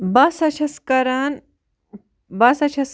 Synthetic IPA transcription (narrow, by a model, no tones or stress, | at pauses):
bɐsɐt͡ʃʰɐskɐɾaːn | bɐsɐt͡ʃʰɐs